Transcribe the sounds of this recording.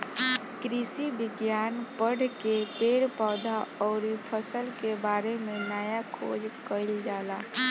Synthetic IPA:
kɾisibiɡjanpəɽ̤ʱkepeɽpaːd̪ʱaɔʊɾipʰəsəlkebaɾemenajakʰo̰d͡ʒkəɪld͡ʒala

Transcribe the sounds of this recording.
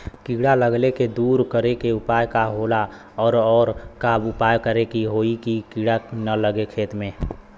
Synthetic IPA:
kiːɽaləɡleked̪uːɾkəɾekeʊpaːjkaɦola | ɔːɾɔːɾkabʊpaːjkəɾekiɦoːikikiɽanələɡekʰeːt̪mẽ

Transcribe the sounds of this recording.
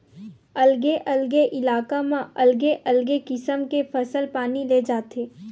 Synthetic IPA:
ɐlɡeʔɐlɡeʔɪlaːkamãɐlɡeʔɐlɡekɪsəmkefʰɐsəlpaːnileːd͡ʒaːt̪eː

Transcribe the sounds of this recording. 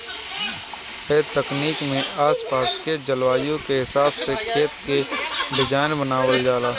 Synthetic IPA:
ɛːt̪əkniːkmẽʔaːspaːsked͡ʒəlwaːjõkeɦɪsaːbsekʰeːt̪keɖɪd͡ʒaːɪnbənaːʋəid̪aːlaː

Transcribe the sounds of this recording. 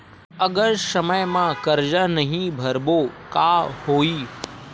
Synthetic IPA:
əɡəɾsəməjmãkəɾd͡ʒənəɦĩbʱəɾboːkahoːiː

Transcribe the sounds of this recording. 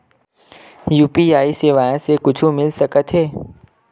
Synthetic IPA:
juːpiaːiseːʋaːjẽsekʊt͡ʃʰũmɪlsɐkət̪ɦɛː

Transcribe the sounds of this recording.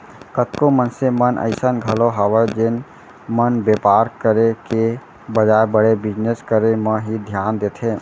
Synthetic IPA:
kət̪kõmənsemənʔə̰ɪsənɡʱəloɦaːwəɾd͡ʒen | mənbeːpaːɾkəɾeke | bəd͡ʒaːebəɽebɪd͡ʒneskəɾemə̃ɦid̪ʱjaːnd̪eːt̪ʰe

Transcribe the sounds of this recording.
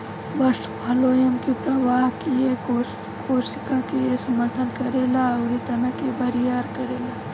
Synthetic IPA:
bɐsʈbʱɐloːjəmkipɾɐʋaːɦkieko | koːɾsɪkakiesɐməɾt̪ʰənkɐɾeːlaɾit̪ɐnəkebɐɾijaːɾkɐɾeːlaː

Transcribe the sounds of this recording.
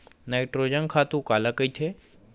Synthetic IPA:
naɪʈɾoːd͡ʒənkʰaːt̪ũkaːlakəit̪ʰe

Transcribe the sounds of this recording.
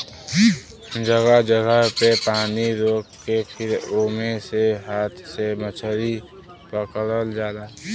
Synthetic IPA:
d͡ʒəɡəd͡ʒəɡəpepaːniɾoːkkːepʰɪɾoːmeseɦaːt̪ʰsemət͡ʃʰəɾi | pəkəɾəld͡ʒaːlaː

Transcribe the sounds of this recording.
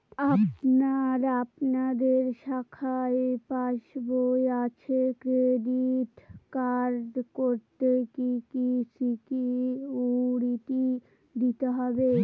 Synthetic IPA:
apnaɾapnad̪eɾʃakʰaepaʃbojat͡ɕʰekɾediʈkaɾd̪koɾt̪ekikisikiuɽit̪i | d̪it̪eɦɔbe

